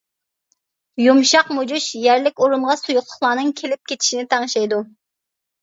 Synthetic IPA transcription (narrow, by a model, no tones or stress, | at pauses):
jumʃɑqmod͡ʒuʃjæɾlɪkʲoɾumʁɑsujuχt̪ʰʊ̥χlˠɑːnɨŋkʲʰelɪp̚kʲet͡ʃ̪ʰi̥ʃinɪt̪ʰɑŋʃɑjd̪u